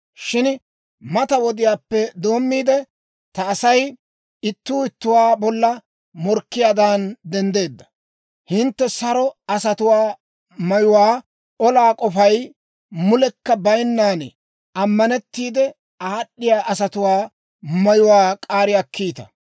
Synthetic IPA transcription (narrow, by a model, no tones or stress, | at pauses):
ʃɪn | mɐt̪ɐwɔd̪ɪjaːpːɛd̪o̞ːmːiːd̪ɛ | t̪ɐːsɐj | ɪt̪ːuːɪt̪ːʊwaːbɔlːɐ | mɔɾkːɪjaːd̪and̪ɛnd̪e̞ːd̪ːɐ | hɪnt̪ːɛsɐɾɔɐsɐt̪ʊwaː | mɐjʊwaː | ɔlaːkʼɔfɐj | mʊlɛkːɐbɐjnːaːn | ɐmːɐnɛt̪ːiːd̪ɛ | aːɗːɪjaːʔɐsɐt̪ʊwaː | mɐjʊwaːkʼaːɾɪjakʰːiːt̪ɐ̰